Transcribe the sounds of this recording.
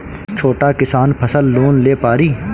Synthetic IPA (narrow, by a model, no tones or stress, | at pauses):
t͡ʃʰoːʈakɪsaːnpʰəsəlːoːnleːpaːɾiː